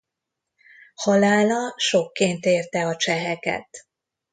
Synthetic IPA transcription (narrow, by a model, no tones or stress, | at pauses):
hɒlaːlɒʃo̞kːeːnt̪eːrt̪ɛɒt͡ʃɛɦɛkɛ̰t̪